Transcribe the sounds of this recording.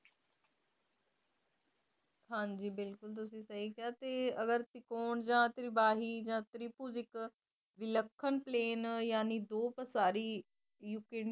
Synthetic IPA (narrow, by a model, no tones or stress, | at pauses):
hãːɲd͡ʒiːbɪlkʊlt̪̬ʊsĩːsɐɦikɪjaːt̪eːɐɡəɾt̪ɪkoːɳd͡ʒãːt̪ɾɪbaːɦiːd͡ʒãːt̪ɾipuzɪk | ʋɪləkʰːənpleːnjaːnid̪oːpəsaːɾi | jukeɳ